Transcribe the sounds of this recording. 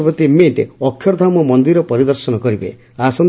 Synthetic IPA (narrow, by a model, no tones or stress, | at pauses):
bɔt̪imeʈeɔkʰːjɔɾd̪ʱamɔmɔnd̪iɾɔpɔɾid̪ɔɾsɔnɔkɔɾibḛ | asɔn